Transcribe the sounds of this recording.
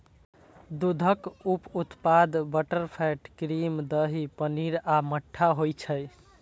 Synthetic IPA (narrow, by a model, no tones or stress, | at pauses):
d̪ud̪ʱəkuput̪pad̪bəʈəɾpʰɛʈkɾimd̪əɦipəniɾaməʈʰːaɦojt͡ʃʰəj